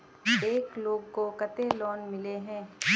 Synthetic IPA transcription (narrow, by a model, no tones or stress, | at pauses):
eːkloːɡkokɐt̪elɔːnmɪleɦɛ̃ː